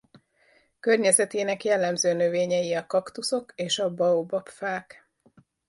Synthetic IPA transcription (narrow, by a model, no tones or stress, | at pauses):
kørɲɛzɛt̪eːnɛkjɛlːɛmzøːnø̞veːɲɛjiɒkɒkt̪uso̞keːʃɒbɒobɒpfaːk